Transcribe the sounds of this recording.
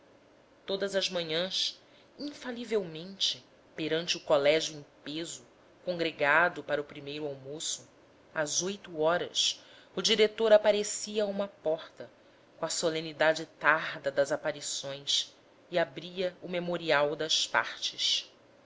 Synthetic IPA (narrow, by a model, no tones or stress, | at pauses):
t̪od̪ɐzɐzmɐ̃ɲɐ̃s | ĩfalivewmẽnt͡ʃɪ | peɾɐ̃nt͡ʃɪʊkolɛʒjuẽj̃pezʊ | kõŋɡɾeɡad̪ʊpaɾɐʊpɾimejɾʊawmosʊ | azojt̪uɔɾɐ̰s | ʊd͡ʒiɾet̪oɾapaɾesiɐũmɐpɔχt̪ɐ | kõɐsolẽnid̪ad͡ʒɪt̪aɾd̪ɐd̪ɐzapaɾisõj̃s | iabɾiɐʊmemoɾiawd̪ɐspa̰ɾt͡ʃɪs